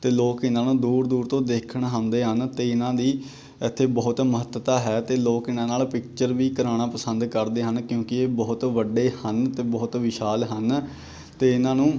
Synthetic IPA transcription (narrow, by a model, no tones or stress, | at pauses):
t̪eːloːkɪnãːnũːd̪uːɾd̪uːɾt̪õːd̪eːkʰəɳɦãnd̪eːɦənt̪eːɪnãːd̪iː | ɪt̪ʰːeːbɔːʊt̪məɦət̪ːət̪aːɦɛːt̪eːloːkɪnãːnaːlpɪk̚t͡ʃəɾʋiːkəɾaːɽ̃ãːpəsənd̪kəɾd̪eːɦənkjõːkɪeːbɔːʊt̪ʋəɖeːhənt̪eːbɔːʊt̪ʋɪʃaːlɦən | t̪eːɪnãːnũː